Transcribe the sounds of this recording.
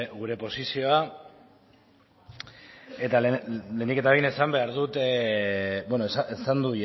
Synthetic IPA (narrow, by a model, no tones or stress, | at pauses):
ɣuɾe̞po̞sisio̞a | e̞t̪alle̞nd̪ike̞t̪aβejnesambe̞aɾðut̪ | bwenosaesand̪uj